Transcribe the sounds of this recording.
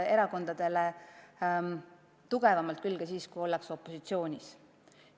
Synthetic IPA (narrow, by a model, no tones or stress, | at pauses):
e̞ɾɑko̞nd̪̥ɑd̪̥e̞le | t̪uɡ̥e̞vɑmɑlt̪̚kylːɡɑsiːskujo̞lːekso̞pːˑo̞sit̪sio̞ːnʲis